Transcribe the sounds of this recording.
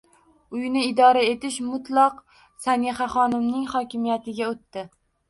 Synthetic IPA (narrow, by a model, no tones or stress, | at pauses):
ʊjnɪɪd̪ɒɾae̞t̪ɪʃmʊt̪lˠɒq | saniχaχɒnɪmnɪŋχɒkʲɪmijat̪ʰɪɡʲaot̪ːɪ